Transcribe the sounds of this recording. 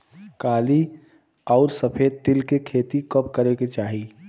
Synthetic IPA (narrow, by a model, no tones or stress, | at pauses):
kaːli | ɔːɾsəpʰeːd̪̚t̪ɪlkekʰeːt̪ikəpkəɾeket͡ʃaːɦiː